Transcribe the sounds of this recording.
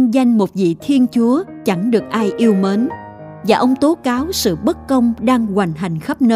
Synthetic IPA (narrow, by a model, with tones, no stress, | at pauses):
za˧jŋ̟mo˨˩t̚vḭ˧˨t̪ʰi˧ənt͡ɕu˨˦ət͡ɕa˧˩ŋɗɨ˨˩ək̚ʔaː˧jʔi˧əwmeː˨˦n | vaː˨˩ʔə˧wŋ͡mt̪o˨˦kaː˨˦wsɨ̰˧˨ɓə˦˥t̚kə˧wŋ͡mɗaː˧ŋɣwa˨˩jŋ̟ɦa˨˩jŋ̟xə˦˥p̚nəː˧